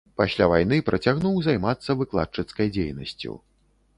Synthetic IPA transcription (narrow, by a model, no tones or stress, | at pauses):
pasʲlʲavajn̪ɨpɾʔɐt͡sʲaɣnuwzajmat̪sːɐvɨklˠa̰t͡ʂɨt̪skɐjd͡zʲḛjnɐ̰sʲt͡sʲṵ